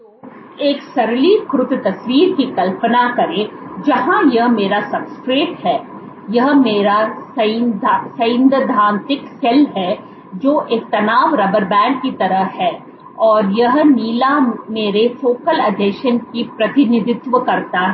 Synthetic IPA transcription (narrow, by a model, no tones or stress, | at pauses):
eːksɐɾlikɾʊt̪t̪ɐswiːɾkikɐlpənakɐɾẽd͡ʒɐɦãjɐɦmeːɾasɐbskɾeːʈɦɛː | jɐɦmeːɾasɐsɐ̃ɪ̃nd̪əd̪ʱaːnt̪ɪksɛlɦɛ | d͡ʒoːʔeːk̚t̪ɐnaːʋɾɐbəɾbɛ̃ːɳɖkit̪ɐɾəɦhɛː | ɔːɾjɐɦniːlameːɾefoːkəlɐɖ̪eːʃənkipɾɐt̪ɪnɪd̪ɪt̪ʋəkɐɾt̪aɦɛ